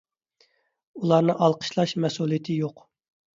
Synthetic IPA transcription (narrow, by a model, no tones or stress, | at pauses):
ulˠɑɾnɨʔɑlˠqʰə̥ʃlˠɑʃmɛsulˠijt̪ʰɪjoq